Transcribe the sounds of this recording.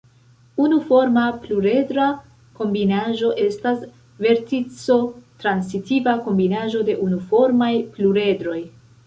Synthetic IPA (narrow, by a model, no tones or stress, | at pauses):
unufo̞ɾmapluɾe̞dɾa | ko̞mbinaʒo̞ʔe̞stas | ve̞ɾtit͡so̞tɾansitivako̞mbinaʒo̞de̞ʔunufo̞ɾmajpluɾe̞dɾo̞j